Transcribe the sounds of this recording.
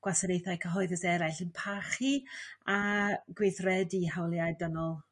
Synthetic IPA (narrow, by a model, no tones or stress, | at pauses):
ɡ̥wasənejθaɨkʰəɦɔɨðəsɛɾajɬənpʰaχiaɡwejθrɛdihawlˠjajdənɔlˠ